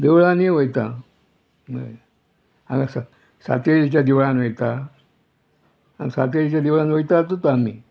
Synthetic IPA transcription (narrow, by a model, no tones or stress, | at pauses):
d̪eʋɭaneʋəjt̪a | mə̰ | aɡasa | sa̰t̪eɾit͡ɕjad̪eʋɭanʋəjt̪a | a̰sat̪eɾit͡ɕjad̪eʋɭanʋəjt̪at̪ot̪ami